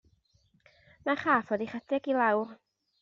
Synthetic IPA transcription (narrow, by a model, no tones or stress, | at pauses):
naχaːfɔdiχadʰɛɡilˠawr